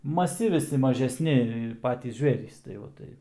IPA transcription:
mɐˈsʲɪ ʋʲɪˈsʲɪ mɐʒʲɛsʲˈnʲɪ ˈpɑːtʲiːs ˈʒʲʋʲeːrʲiːs tɐɪ ˈʋɐ ˈtɐɪ

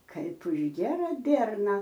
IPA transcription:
ˈkɐɪp ʊʃ ˈɡʲiɛrɐ ˈbʲiɛrnɐ

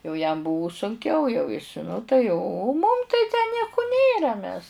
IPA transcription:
jɛʊ jɛm ˈbʊʋʊ sʊŋʲˈkʲɛʊ jɛʊ ɪs ˈnʊ tɐɪ oː oː mʊm tɐɪ tʲæː ˈnʲiɛkʊ ˈnʲeːrɐ mʲɛs

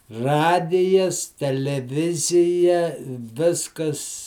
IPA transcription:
ˈrɑːdʲɪjɛs tʲɛlʲɛˈʋʲɪzʲɪjɛ ˈʋʲɪskɐs

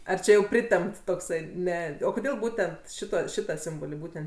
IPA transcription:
ɐr ˈt͡ʃʲɛ jɛʊ ˈpʲrʲɪtʲɛmpt toːkˈsɐɪ ˈnʲɛ oː koːˈdʲeːlˠ ˈbuːtʲɛnt ˈʃʲɪtɐ ˈʃʲɪtɐ ˈsʲɪmboːlʲɪ ˈbuːtʲɛnt

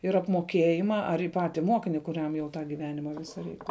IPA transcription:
ɪr ɐpmoːˈkʲeːjɪmɐ ɐr ɪ ˈpɑːtʲɪ ˈmoːkʲɪnʲɪ kʊˈrʲɛm jɛʊ tɑː ɡʲɪˈʋʲæːnʲɪmɑː ˈʋʲɪsɐ ˈrʲɛɪk

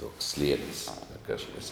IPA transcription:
tuɔks ˈsʲlʲiɛnʲɪs ˈkɑːʃkɐs

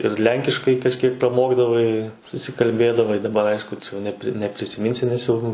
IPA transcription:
ɪr ˈlʲɛŋʲkʲɪʃkɐɪ kɐʃʲˈkʲiɛk prɐˈmoːɡdɐʋɐɪ sʊsʲɪkɐlʲˈbʲeːdɐʋɐɪ dɐˈbɐr ˈɐɪʃkʊ t͡ʃʲɛ jɛʊ nʲɛˈpʲrʲɪ nʲɛpʲrʲɪsʲɪˈmʲɪnʲsʲɪ nʲɛs ˈjɛʊ

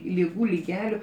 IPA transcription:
lʲɪˈɡuː lʲɪˈɡʲæːlʲʊ

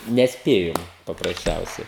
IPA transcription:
nʲɛsʲˈpʲeːjoːm pɐprɐsʲˈt͡ʃʲɛʊsʲɛɪ

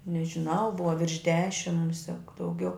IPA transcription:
nʲɛʒʲɪˈnɐʊ ˈbʊʋɐ ʋʲɪrʃ ˈdʲæːʃʲɪm ˈmʊsʲɛk dɐʊˈɡʲɛʊ

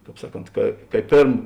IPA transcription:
ˈkɑːp ˈsɑːˌkoːnt kɐ kɐ ɪ ˈpʲeːrm

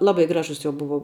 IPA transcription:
ˈlˠɑːbɐɪ ˈɡrɑːʒʊs joː ˈbʊʋoː

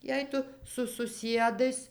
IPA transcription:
ˈjɛɪ tʊ sʊ sʊˈsʲiɛdɐɪs

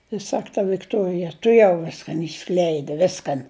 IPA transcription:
ɪ ˈsɐk tɐ ʋʲɪkˈtuɔrʲɪjɛ tʊˈjɛʊ ˈʋʲɪskɐn ɪʃˈsklʲɛɪdʲɪ ˈʋʲɪskɐn

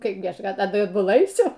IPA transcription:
ˈkɐɪbʲɡʲɪ ˈɐʃ ˈɑːdbʊˈlˠɐ ɐɪˈsʲʊ

